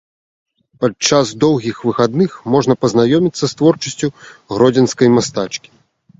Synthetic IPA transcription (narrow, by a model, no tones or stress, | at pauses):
pat͡ʂasd̪ɔwɣʲixvɨxad̪nɨxmɔʐnɐpɐznajɔmʲit̪sːɐst̪vɔrt͡ʂɐsʲt͡sʲuɣɾɔd͡zʲɛnskɐjmast̪at͡ʂkʲi̥